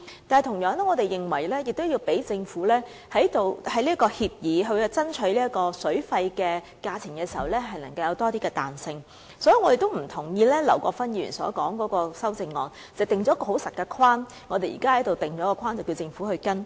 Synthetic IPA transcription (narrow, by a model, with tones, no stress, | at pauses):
taː˨t̪ʰʊ˨˩ŋjœː˨˥ŋnɛ˥ŋɔː˨˧t̪e˨jjɪ˨ŋwɐ˨˩jlɛː˥jɪ˨k̚t̪wjiː˧wpe˨˥jt͡sɪ˧ŋfuː˨˥lɛː˥ | hɐ˨˥jt̪o˨˩whɐ˨˥jliː˥kɔː˧hiː˧p̚jiː˨˧ɦɵ˧ɥt͡sɐ˥nt͡ʃʰɵ˨˥liː˥ɐ˥t̚kɔː˧sɵ˨˥ɥfɐ˧jkɛː˧ | kaː˧t͡sʰɪ˨˩ŋkɛː˧siː˨˩hɐ˨wlɛː˥ɦɐ˨jnɐ˨˩ŋkɐ˧wjɐ˨˧wt̪ɔː˥t̪iː˥kɛː˧t̪a̰ː˨nsɪ˧ŋ | sɔ˨˥ji˨˩ŋɔ˨˧t̪e˨jt̪o˥wm̩˨˩t̪ʰʊ˨˩ŋjiː˧lɛː˥lɐ̰˨˩wkɔː˧fɐ˥nji˧y˨˩nsɔ̰ː˨˥kɔː˨˥ŋkɔː˨˥kɔː˧sɐ˥wt͡sɪ˧ŋːɔ̰ː˨˩n | t͡sɛː˨˩t̪ɪ˨ŋt͡ʃɔː˨˥kɔː˧ho˨˥wsɐ˨˩t̚kɛ˧kʰwaː˥n | ŋɔː˨˧t̪e˨jḭː˨˩kaː˥hɐ˨˥jt̪o˨wt̪ɪ˨ŋt͡ɕɔː˨˥kɔ˧kʰwaː˥nt͡sɐ˨˩wki˧wt͡sɪ˧ŋfuː˨˥hɵ˧kɐ˥n